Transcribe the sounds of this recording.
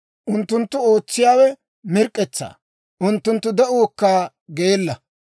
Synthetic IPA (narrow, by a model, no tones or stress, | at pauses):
ʔʊnt̪ːʊnt̪ːʊo̞ːt͡sːɪjaːwɛ | mɪɾkʼːɛt͡sːa̰ː | ʔʊnt̪ːʊnt̪ːʊd̪ɛʔuːkːaː | ɡeeːlːɐ